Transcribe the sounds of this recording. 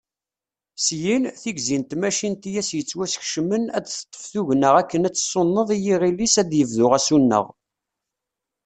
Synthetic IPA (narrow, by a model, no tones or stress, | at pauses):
sjinθiɡzint̪mæʃint̪ijæsjət͡sːwæsə̥çʃəmənæd̪θə̥t̪ˤːə̥fθuʝnəʁækːənæt͡sːsˤonːəðˤijiʁilːisæd̪jəvðʊʁæsunːə̰ʁ